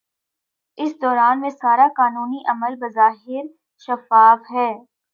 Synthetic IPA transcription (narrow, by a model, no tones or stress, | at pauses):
ɪsd̪ɔːɾaːnmẽsaːɾakaːnuːniʔɐməlbɐzaːɦɪɾ | ʃɐfaːfɦɛː